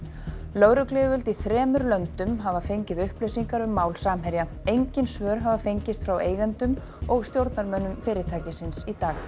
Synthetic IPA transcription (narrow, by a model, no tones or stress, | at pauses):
lœɣɾʏklɪːvʏlt̪iθɾɛːmʏɾlœnt̪ʏmɦavafejɲcɪðʏhplesiŋkaɾʏmaːwlsaːmɦɛɾjaejɲcɪnsvœːɾɦavafejɲcɪst̪fɾaweːjɣɛnt̪ʏm | ɔɣst̪jowɾt̪naɾmœnːʏmfɪːɾɪt̪ʰaːjcɪsɪnsit̪aːx